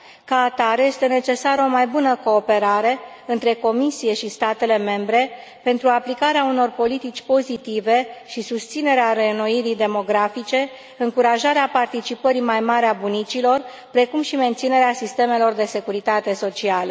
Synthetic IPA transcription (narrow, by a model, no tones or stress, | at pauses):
kaːt̪aɾje̞st̪e̞ne̞t͡ʃe̞saɾəo̞majbunəko̞ːpe̞ɾaɾe̞ | ɨnt̪ɾe̞ko̞misije̞ʃist̪at̪e̞le̞me̞mbɾe̞ | pe̞nt̪ɾuaplikaɾeauno̞rpo̞lit̪it͡ʃʲpo̞zit̪ive̞ʃisust̪sine̞ɾeaɾe̞noiɾid̪e̞mo̞ɡɾafit͡ʃe̞ | ɨŋkuɾaʒaɾeapart̪it͡ʃipəɾimajmaɾeabunit͡ʃilo̞r | pɾe̞kumʃime̞nt̪sine̞ɾeasist̪e̞me̞lo̞rd̪e̞se̞kuɾit̪at̪e̞so̞t͡ʃialə